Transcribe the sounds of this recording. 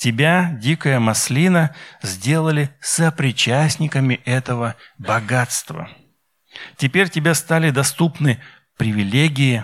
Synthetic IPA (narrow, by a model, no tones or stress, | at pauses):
tʲɪbʲadʲikəjəmɐsʲlʲinəzʲdʲe̞lˠəlʲɪsəpɾʲɪt͡ɕæsʲnʲɪkəmʲɪʔɛt̪əvəbɐɡat̪st̪və̰ | tʲɪpʲeɾʲtʲɪbʲast̪alʲɪd̪ɐst̪upnɨ | pɾʲɪvʲɪlʲeɡʲɪɪ